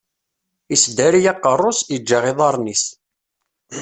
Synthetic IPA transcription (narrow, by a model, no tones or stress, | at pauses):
isd̪æɾijɑqːərˤːosid͡ʒːaʁeðˤɑɾˤnis